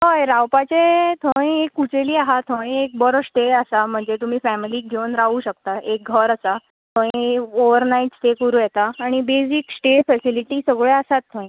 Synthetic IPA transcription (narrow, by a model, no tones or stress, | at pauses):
ɦəjɾawpat͡ɕet̪ʰoĩekːut͡ɕeliːaɦat̪ʰõĩek̚bəɾəsʈ̪eəsam̤əɳd͡zet̪um̤iːfæmiliːk̚ɡʱewnɾaʋuːɕək̚t̪aʔek̚ɡʱəɾəsa | t̪ʰõjoʋəɾnaiʈsʈ̪ekəɾuːjɛt̪aːɽ̃ibesiksʈeʈfɛsiliʈiːsəɡɭeasat̪ʰːõĩ